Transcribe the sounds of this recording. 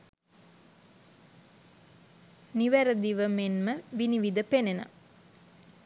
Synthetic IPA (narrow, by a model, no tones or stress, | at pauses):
niʋæɾəd̪iʋəmenməʋiniʋid̪əpenena̰